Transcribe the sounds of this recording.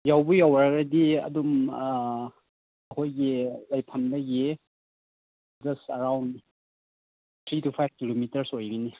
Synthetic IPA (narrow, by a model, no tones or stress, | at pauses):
jawbujawɾaɡɾɐdiɐ̰dum | ɐkʰojɡilajpʰamdɐɡi | d͡ʒɐsɐɾawnd | t̪ʰɾitʰupʰajb̚kilomitɐɾsojɾini